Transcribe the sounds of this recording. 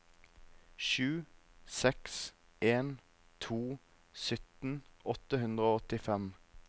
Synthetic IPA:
ʃʉːsɛks | ʔeːn | t̪ʰuː | sʏt̪n̩ʔɔt̪əhʉnd̪ʁəoːɔt̪ɪfɛm

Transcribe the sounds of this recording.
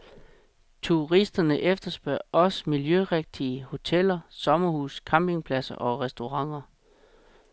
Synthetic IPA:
t͡sʰuʁisd̥ɐnəʔefd̥ɐsb̥ɶɐ̰ʔɒ̽smiljøʁeɡ̥̚d̥iəho̝t͡sʰel̰ɐsɒ̽mɐhuːskʰɑ̈mb̥e̝ŋpʰlæsɐ̰ʔɒ̽ʁɛsd̥o̝ʁɑ̈ŋ̰ɐ

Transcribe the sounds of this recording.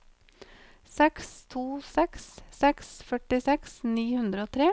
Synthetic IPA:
sɛkst̪ʰuːsɛkssɛksfœʈɪsɛksniːhʉnd̪ɾəoːt̪ʰɾeː

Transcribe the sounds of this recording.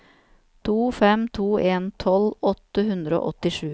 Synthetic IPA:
t̪ʰuːfɛmt̪ʰuːʔeːnt̪ʰɔlɔt̪əhʉnd̪ɾəo̰ːʔɔt̪ɪʂʉː

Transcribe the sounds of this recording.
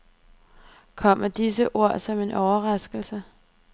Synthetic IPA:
kʰɒ̽m̰ɐd̥is̬əʔo̝ɐ̰sɒ̽me̝nʔɒʊɐʁɑ̈sɡ̥l̩sə

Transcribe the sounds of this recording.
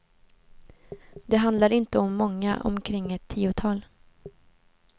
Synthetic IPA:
d̪ɛɦand̪laɾɪnt̪əɔmːɔŋːaʔɔ̰mkʰɾɪŋːɛt̪ʰːiːʊt̪ʰɑːl

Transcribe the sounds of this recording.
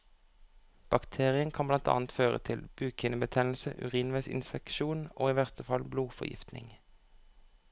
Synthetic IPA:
b̥ɑkt̪ʰeːʁɪənkʰɑnblɑnt̪ɑ̰ːnt̪føːʁə̰t̪ʰɪlb̥ʉːkʰɪnəbət̪ʰɛnl̩səʔʉʁiːnʋæɪsɪ̰nspɛkʃuːnʔo̰ːiːʋæʁt̪ʰəfɑlbluːfɔ̰jɪ̰ft̪nɪ̰ŋ

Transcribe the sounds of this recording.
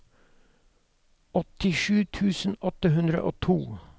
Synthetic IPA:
ɔt̪ɪʃʉːt̪ʰʉːsn̩ɔt̪əhʉnd̪ɾə̰ʔoːt̪ʰuː

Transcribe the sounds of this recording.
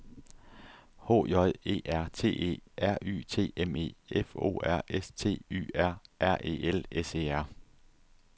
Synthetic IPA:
hɔ̰ːjɒ̽ðe̝̰ːʔæɐ̰t͡sʰe̝̰ːe̝̰ːæɐ̰y̰ːt͡sʰe̝̰ːeme̝̰ːefo̝̰ːæɐ̰ʔest͡sʰe̝̰ːy̰ːæɐ̰ʔæɐ̰ʔe̝̰ːelese̝̰ːæɐ̰

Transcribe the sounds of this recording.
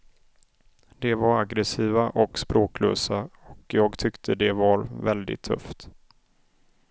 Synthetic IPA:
d̪̥ɛvaɾaɡɾɛsiːvaʔɔkspɾoːklø̰ːsaɔkjɑːɡt̪ʰʏkt̪ʰəd̪ɛvaɾvɛld̪ɪ̰t̪ʰːɵ̰ft̪

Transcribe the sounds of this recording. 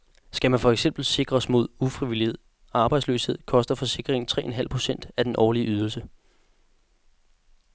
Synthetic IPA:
sɡ̥æmænfɒ̽eɡ̥sem̰b̥l̩se̝ɡ̥ʁɐsmo̝ð̞ˠufʁiʋilihe̝ð̰ˠ | ɑ̈b̥ɑ̈ɪdslø̰ːshe̝ð̞̰ˠkʰɒ̽sd̥ɐfɒ̽se̝ɡ̥ʁeŋ̩t͡sʰʁɛ̰ːʔenɦæl̰pʰʁo̝sen̰d̥æd̥enʔɒːliəʔyð̞ˠl̩sə

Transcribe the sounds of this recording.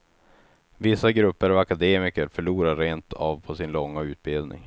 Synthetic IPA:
vɪsːaɡɾɵpːəɾavakad̪eːmɪkəɾfœɭuːɾaɾeːnt̪ʰɑːvpʰɔsɪnlɔŋːaʉ̟ːt̪̚bɪld̪nɪ̰ŋ

